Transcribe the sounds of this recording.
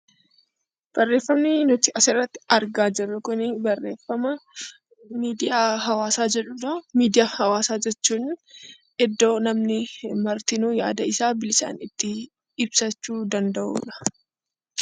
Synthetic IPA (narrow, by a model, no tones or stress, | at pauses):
b̥ɐrːe̞ːfːɐmnɪnɔt̪ɪʔɐsɪrːɐt̪ːɪ̥ɐɾɡaːd͡ʒɪrːɐkʊnɪbɐrːe̞ːfːɐmɐ | miːd̪ɪjaːɦɐwaːsaːd͡ʒɛᶑuːᶑɐmiːd̪ɪjaːhɐwaːsaːd͡ʒɛt͡ʃːuːn | ɛd̪ːo̞ːnɐmnɪmɐɾt̪ɪnuːja̰ːd̪ɐɪsaːbɪlɪsa̰ːnɪt̪ːɪ | ɪbsɐt͡ʃːuːd̪ɐnd̪ɐʔṵːᶑɐ̥